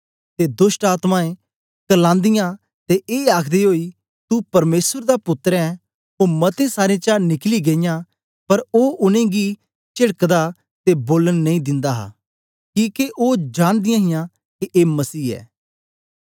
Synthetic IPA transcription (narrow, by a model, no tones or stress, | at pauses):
t̪ed̪ʊsʈaːt̪mãːẽ | kɐlãːnd̪ɪjã | t̪eʔeːaːkʰd̪iɦoːi | t̪upɐɾmeːsəɾd̪apʊt̪ːɾɛɛ̃ | oːmɐt̪ẽsaːɾẽt͡ʃaːnɪkliɡeɪjã | pɐɾoːʔʊnẽɡi | t͡ʃɪɽəkd̪a | t̪eboːlənːɐ̃ĩd̪ɪ̃nd̪aːɦa̰ː | kiːkeʔoːd͡ʒãːɽ̃d̪ɪjãːɦɪjã | kiʔeːmɐsiːɛ̰ː